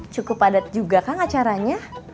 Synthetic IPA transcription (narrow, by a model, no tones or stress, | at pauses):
t͡ʃukʊpadat̪̚d͡ʒuɡakanat͡ʃaɾaɲa